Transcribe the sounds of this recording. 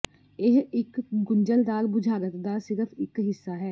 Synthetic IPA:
ɪɦɪkɡʊɲd͡ʒəld̪aːlbʊd͡ʒʱaːɡət̪d̪aːsɪɾəfʰɪkɦɪsːaːɦɛː

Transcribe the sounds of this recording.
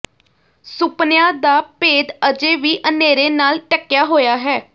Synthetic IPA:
sʊpnɪjãːd̪aːpeːd̪əd͡ʒeːʋiːʔəneːɾeːnaːlʈəkːjaːɦoːjaːɦɛː

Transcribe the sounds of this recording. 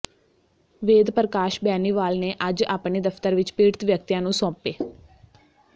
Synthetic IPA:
ʋeːd̪pəɾəkaːʃbɛːniːʋaːlneːʔəd͡ʒa̰ːpɳiːd̪əfʰt̪əɾʋɪt͡ʃpiːɾt̪ʋjək̚t̪ijãːnũːsɔ̃ːpeː

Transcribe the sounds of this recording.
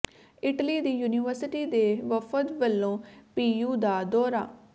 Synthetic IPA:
ɪʈliːd̪iːjuːniːʋəɾsɪʈiːd̪eːʋəfʰət̪ʋəlːõːpiːjuːd̪aːd̪ɔːɾa̰ː

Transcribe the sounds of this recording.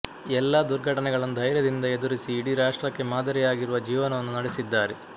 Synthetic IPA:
ɛlːad̪uɾɡʱɐʈɐnɛɡɐɭɐnud̪ʱɐjɾjɐd̪ind̪ɐed̪uɾisiːɽiɾaːʂʈɾɐkːe̞maːd̪ɐɾɛjaːɡiɾuʋɐd͡ʒiːʋɐnɐʋɐnːunɐɽesid̪ːaːɾe

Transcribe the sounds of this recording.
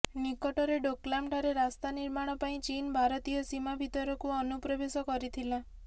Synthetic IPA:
nikɔʈɔɾeɖoklamʈɔɾeɾast̪aniɾmaɽ̃ɔpaĩt͡ʃinbʱaɾɔt̪ijɔsimabʱit̪ɔɾɔkuɔnupɾɔbesɔkɔɾit̪ʰila

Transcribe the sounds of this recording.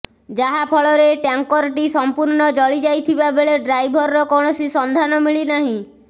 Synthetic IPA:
d͡ʒaɦapʰɔɭɔɾeʈjaŋkɔɾʈisɔmpuɾɳɔd͡ʒɔɭid͡ʒajt̪ʰibabeɭeɖɾajbʱɔɾɾɔkɔɽ̃ɔsisɔnd̪ʱanɔmiɭinaɦĩ

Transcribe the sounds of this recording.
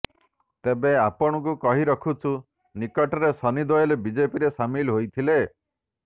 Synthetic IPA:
t̪ebeapɔɽ̃ɔk̬ukɔɦiɾɔkʰut͡ʃʰu | nikɔʈɔɾesɔnid̪ɔjelebid͡ʒepiɾesamilɦojt̪ʰile

